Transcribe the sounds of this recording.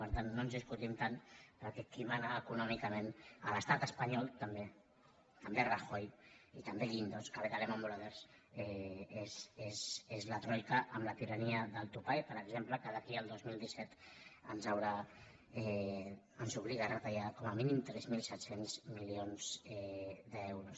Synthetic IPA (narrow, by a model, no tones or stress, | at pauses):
pəɾt̪anːonzðiskut̪imt̪anpəɾkɛkimanaːkunɔmikəmẽnə̰ləst̪at̪əspaɲɔlˠt̪əmbe | t̪əmberaxojit̪əmbeʎind̪oskaβet̪alɛmombolaβɛɾsɛezesezlət̪ɾɔjkaʔəmlat̪iɾaniəðəlˠt̪upajpəɾəɡzempləkəðakiəlˠd̪ozmilˠd̪isɛt̪ə̰nzawɾa | ɛ | ənzuβ̞liɣarət̪ajakɔməminimt̪ɾɛzmilˠsɛt̪senzmilionzɛðəɛewɾus